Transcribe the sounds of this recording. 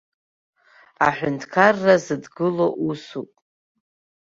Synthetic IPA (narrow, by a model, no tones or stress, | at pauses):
aħʷᶣʊntʰkʰarːazɨdɡɨloʔusupʼ